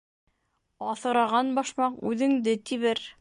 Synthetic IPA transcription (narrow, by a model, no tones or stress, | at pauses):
ɑθɤ̆ɾɑʁɑnbɑʃmɑqʉðɘ̆ŋd̪ɘt̪iβɘɾ